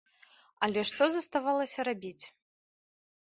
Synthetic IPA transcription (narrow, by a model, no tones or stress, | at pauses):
ɐlʲɛʂt̪ɔzɐst̪avalˠɐsʲɐɾabʲit͡sʲ